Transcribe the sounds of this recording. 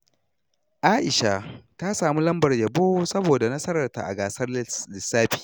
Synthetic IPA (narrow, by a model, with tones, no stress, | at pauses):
ʔaː˦ʔɪ˨ʃa˨ta˦saː˨mu˦lɐ˦mbɐ˨rjɐ˨boː˦sɐ˦boː˨da˨nɐ˦sɐ˦ɾɐ˨rta̰˨ʔa̰˨ɡaː˨sɐ˦rlɪ˨sːaː˦ɸi̥ː˨